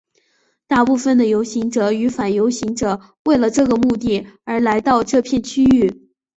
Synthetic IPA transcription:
t̪a˥˧pu˥˩fə˨˩nd̪ə˩jo˧˥ʊɕi˧˥ŋʈ͡ʂɤ˨˩y˧˥fa˨˩njo˧˥ʊɕi˧˥ŋʈ͡ʂɤ˨˩˦ | we˥˩ɪlə˩ʈ͡ʂɤ˥˩ɡə˩mu˥˧t̪i˥˩ə˞˧˥la˧˥ɪt̪ɑ˥˧ʊʈ͡ʂɤ˥˧pʰjɛ˥˧nt͡ɕʰy˥y˥˩

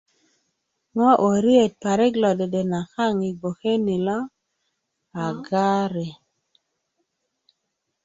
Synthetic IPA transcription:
ŋɔ˦ʔo˨ɾi˦e˨t̚pa˨ɾe˦ɡlɔ˨de˨de˨na˨ka˦˨ŋi˨ɡo˨xe˦ni˨lɔ˦ | a˨ɡa˦ɾe˨

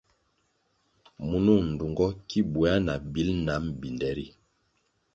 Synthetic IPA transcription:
mu˨nu˦˨n̩˨du˨ŋɡɔ˦ki˦bu˨˦a˦na˨bi˦lna˨˦mbi˨ndɛ˦ɾi˦

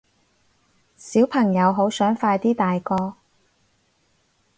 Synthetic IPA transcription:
siː˨˥wpʰɐ˨˩ŋjɐ˨˧wɦo˨˥wsœː˨˥ŋfaː˧jt̪iː˥t̪aː˨jkɔː˧

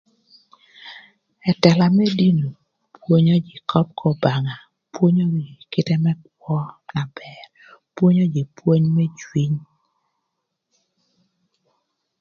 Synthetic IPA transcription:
ɛ˨tɛ˨la˨mɛ˦di˦no˨ | pwo˦ɲɔ˦d͡ʒi˨kʰɔ˦p̚kʰɔ˨ba˨ŋa˨ | pwo˦ɲɔ˦ɡi˨kɪ˦tɛ˦mɛ˦k̚wɔ˦na˨bɛ˨r | pwo˦ɲɔ˦d͡ʒi˨pwo˦ɲmɛ˦t͡ʃwi˦ɲ

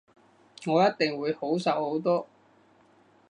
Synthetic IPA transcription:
ŋɔː˨˧jɐ˥t̚t̪ɪ˨ŋwuː˨˧jho˨˥wsɐ˨˧who˨˥wt̪ɔː˥

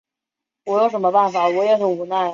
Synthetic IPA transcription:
wɔ˧˥jo˧˥ʊʂ̬ə˧˥nmə˧pa˥˩nfa˨˩wɔ˧˥jɛ˧˥ɪxə˨˥nxu˧˩na˥˩ɪ

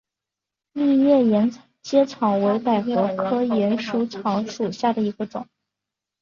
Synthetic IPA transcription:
mi˥˧ɥɛ˥˩jɛ˧˥n | t͡ɕjɛ˥t͡sʰɑ˧˥ŋwe˧˥ɪpa˨˩ɪxɤ˧˥kʰɤ˥jɛ˧˥nʂu˧˥t͡sʰɑ˧˥ŋʂu˨˩ɕja˥˩d̪ə˩i˧˥ɡə˧ʈ͡ʂʊ̰˨˩˦ŋ

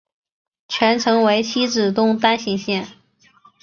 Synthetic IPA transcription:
t͡ɕʰɥɛ˧˥nʈ͡ʂʰɤ˧˥ŋwe˧˥ɪt͡ɕʰi˥ʈ͡ʂɻ̩˨˩t̪ʊ˥˧ŋt̪a˥nɕi˧˥ŋɕjɛ˥˩n

